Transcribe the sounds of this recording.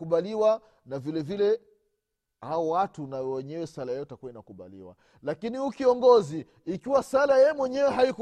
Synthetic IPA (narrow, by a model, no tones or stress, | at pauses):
kuɓaliwa | navilɛvilɛ | haɔwatunawɛɲɛwɛsalajɛjɔtakuwainakuɓa̰lḭwa̰ | lakinihukiɔŋɡɔziː | kiwasalajɛmwɛɲɛwɛɦaiku